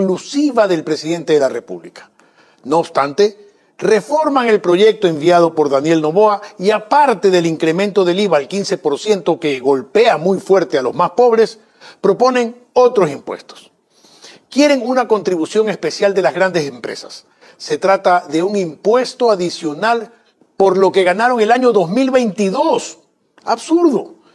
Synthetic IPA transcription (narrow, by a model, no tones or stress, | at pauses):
klusiβaðe̞lpɾe̞siðe̞nt̪e̞ðelare̞pṵβlikḁ | noːβst̪ant̪e̞ | re̞fo̞ɾmaŋe̞lpɾo̞ʝe̞k̚t̪o̞e̞mbjað̞o̞po̞ɾðanje̞lno̞βo̞aiapaɾt̪e̞ðe̞liŋkɾemẽ̞nt̪o̞ðe̞liβaːlkinse̞po̞ɾsje̞nt̪o̞ke̞ɣo̞lpe̞amujfwe̞ɾt̪ealo̞zmaspo̞β̞ɾe̞s | pɾo̞po̞ne̞ŋ | o̞t̪ɾo̞simpwe̞̰st̪o̥s | kje̞ɾe̞ŋunako̞nt̪ɾiβusjo̞ŋe̞spe̞sjald̪e̞lazɣɾand̪e̞se̞mpɾe̞̰sḁsː | e̞t̪ɾat̪aðe̞uŋimpwe̞st̪o̞aðisjo̞nal | po̞ɾlo̞ke̞ɣanaɾo̞ŋe̞laɲo̞ðo̞zmilβe̞jnt̪iðo̞s | aβsuɾðo̞